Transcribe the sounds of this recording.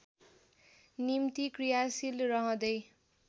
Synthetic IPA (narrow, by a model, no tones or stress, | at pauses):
nimt̪ikrijasilrʌɦʌ̃d̪ʌj